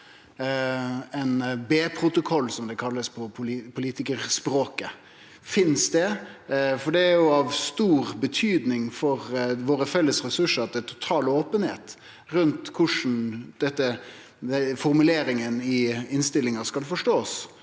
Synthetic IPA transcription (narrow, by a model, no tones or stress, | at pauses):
ɛnbeːpʰɾʊt̪ʊkʰɔlːsɔmd̪ɛkʰɑlːəspʰɔpʰʊpʰʊliːt̪ɪkəɾspɾoːkə | fɪnsd̪ɛ | fɔɖɛæjʊɑʋst̪uːɾbət̪ʰyːd̪nɪŋfɔɾʋoːɾəfɛlːəsɾɛsʉʂəɾɑt̪d̪ɛt̪ʰʊ̥t̪ʰɑːloːpənhḛːt̪ | ɾʉnt̪kʰʊʂn̩d̪̥ɛt̪ːə | ɛfɔɾmʉleːɾɪŋənɪɪnst̪ɪlːɪŋəskɑld̪ɛfɔʂʈoːs